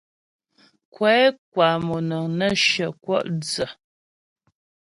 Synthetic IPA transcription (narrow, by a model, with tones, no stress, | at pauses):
kwɛ˨˦k̚wa˨mu˨nə˨ŋnə˦˨ʃə˨kwɔ̰˦˨ʔd͡zə˨